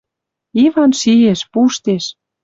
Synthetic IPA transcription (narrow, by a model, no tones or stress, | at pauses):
ivɑnʃijeʃpuʃt̪eʃ